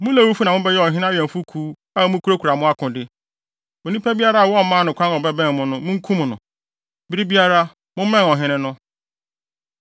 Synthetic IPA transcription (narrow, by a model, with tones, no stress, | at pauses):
mʊ̃˦lɛ˦˨wu˦fu˦nã˨mʊ̃˦bɛ˦jɛ˦ɔ˨ɦɪ̃˦ñ˦a˦ɥɛ̃˨m̩˨fu˦kʰuː˦ | a˦mʊ̃˦kʰu˦ɾo˦kʰu˨ɾa˨mʊ̃˦a˦kʰʊ̃˨dɪ˦ | mʊ˨nĩ˦pʰæ˦bi˦a˦ɾa˦a˨wɔ˦˨˦mãː˦nʊ̃˨kʷʰã˦nɔ˨bɛ˦bɛ̃˦˨m˨mʊ̃˦nʊ̃˦mʊ̃˦ŋ̩˦kʰũ˦m̃˨nʊ̰̃˨ | bi˦ɾɪ˦bi˦a˦ɾa˦ | mʊ̃˦mɛ̃˦n˨ɔ˨ɦɪ̃˦nɪ̃˦nʊ̃˦